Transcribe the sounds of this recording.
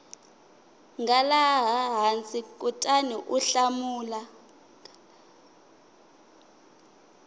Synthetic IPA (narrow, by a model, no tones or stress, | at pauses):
ŋɡalaɦaɦant͡sʼikʼutʼaniʔuɬamuːla